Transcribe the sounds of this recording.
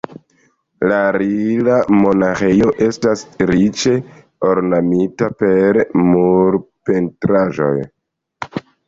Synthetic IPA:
laɾilamo̞naxejo̞ʔe̞stasɾit͡ʃe̞ | o̞ɾnamitape̞ɾmuɾpentɾaʒo̞̰j

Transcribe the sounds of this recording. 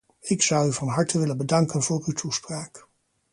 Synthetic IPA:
ɪksʌwyvɑnɦɑɹtəʋɪlənbədɑŋkənv̥ʊːrywtʰuspraːk

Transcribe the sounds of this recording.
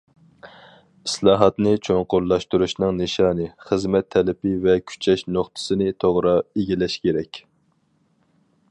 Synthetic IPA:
i̥slˠɑːɦɑt̪nɨt͡ʃʰoŋqoɾlːˠɑʃt̪uɾuʃnɨŋneʃɑːnɨχəzmɛt̪ʰːɛlɪpɪvɛkʲʰy̥t͡ʃʰɛʃnoχt̪ʰɨ̥sɨnɪt̪ʰoʁɾɑeɡʲilɛʃkʲʰeɾɛkʲ

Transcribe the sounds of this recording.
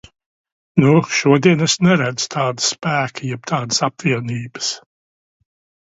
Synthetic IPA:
nuʃuɔd̪iɛnɛsnɛɾad̪z̥t̪ʰaːd̪ə̥spæːkʰəjɛbt̪ʰaːd̪əsapviɛniːbə̥s

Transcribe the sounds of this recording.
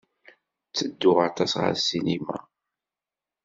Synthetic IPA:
t͡sːəd̪ːʊʁɑt̪ɑsʁə̰ɾsinima̰

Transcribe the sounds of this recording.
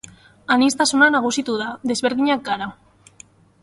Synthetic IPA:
anist̪asunanaɣusit̪uðaðe̞zβeɾðiɲakɡaɾa

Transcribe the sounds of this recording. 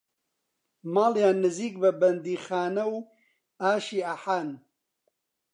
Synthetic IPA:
maːljaːnːɨziːk̚bɐbɐnd̪iːxaːnɐw | aːʃiːaħaːn

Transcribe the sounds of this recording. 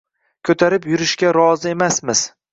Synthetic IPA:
kʲʰɵt̪ʰaɾɪpjʊɾɪʃkʲaɾɒzɪe̞masmɪz̥

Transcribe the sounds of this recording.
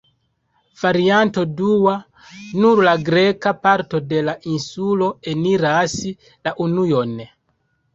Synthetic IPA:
v̥aɾianto̞duwa | nuɾlaɡɾekapaɾtode̞laʔinsulo̞eniɾasi | laʔunujone

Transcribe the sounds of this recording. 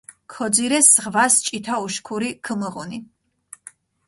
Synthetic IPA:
kʰɔd̪ziɾɛsʁvast͡ʃʼit̪ʰauʃkʰuɾikʰəməʁuni

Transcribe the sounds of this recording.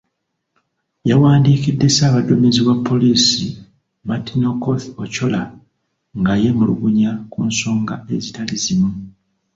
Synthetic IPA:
jawaːndiːkidːe̞saːβadːo̞miziβapʰːo̞liːsi | matinokoθoco̞la | ŋɡaje̞muluɡuɲakunso̞ːŋɡae̞zitalizimu

